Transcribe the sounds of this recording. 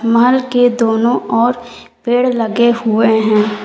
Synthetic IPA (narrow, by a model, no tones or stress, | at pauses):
məɦəlked̪oːnõɔːɾ | peːɽlɐɡeɦʊeɦɛ̃ː